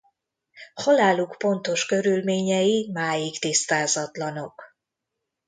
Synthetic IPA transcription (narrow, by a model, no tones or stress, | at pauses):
hɔlaːlukpo̞nt̪o̞ʃkø̞ɾylmeːɲɛjimaːjikt̪ist̪aːzɒt̪lɒno̞k